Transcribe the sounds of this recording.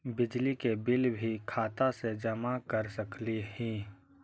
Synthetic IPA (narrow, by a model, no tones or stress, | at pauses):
bɪd͡ʒlikebɪlbʱikʰaːt̪ased͡ʒɐmakɐɾsɐklihĩː